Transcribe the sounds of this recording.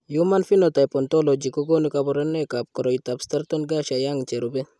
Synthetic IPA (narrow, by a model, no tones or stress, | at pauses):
jumanfinot̪ajpɔnt̪ɔlod͡ʒikɔɡonikabɔɾenekap̚kɔɾɔit̪abst̪aɾt̪ɔnɡaʃajaŋt͡ʃeɾubɛ